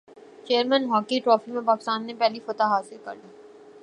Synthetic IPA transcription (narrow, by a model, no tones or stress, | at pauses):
t͡ʃeːəɾmɛ̃nɦɔːkiʈɾɔːfimẽpaːkɪst̪aːnːepɛɦlifɐt̪aɦaːsɪɾkɐ̰ɾd̪iː